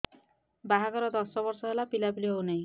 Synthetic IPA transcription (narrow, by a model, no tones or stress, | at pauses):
baɦaɡɔɾɔd̪ɔsɔbɔɾsɔɦelapilabiliɦownaĩ